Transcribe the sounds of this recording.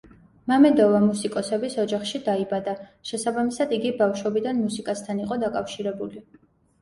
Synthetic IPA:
mamɛd̪ɔvamusikʼɔsɛbisɔd͡ʒaχʃid̪aibad̪aʃɛsabamisad̪iɡibafʃɔbid̪anmusikʼast̪ʰaniqʼɔd̪akʼafʃiɾɛbuli

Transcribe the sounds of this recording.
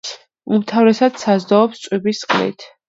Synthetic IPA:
umt̪ʰavɾɛsad̪̥sazd̪ɔːpst̪sʼwibisqʼlḭt̪ʰ

